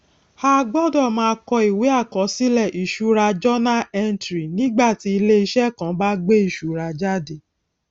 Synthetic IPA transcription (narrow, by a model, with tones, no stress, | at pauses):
ha˦ɡ͡bɔ˦dɔ˦˨mãː˦˧˦kɔ˧i˨we˨˦a˦˨kɔ˨˦si˦lɛ˦˨ʔi˨ʃu˨˦ɾa˧d͡ʒɔ˦nã˦ɛ˦ntɾi˨nĩ˦ɡ͡ba˦˨ti˧˦i˧le˦i˧˦ʃɛ˦˨kã˨˦ba˦ɡ͡be˦i˦˨ʃu˨ɾa˧d͡ʒa˦de˦˨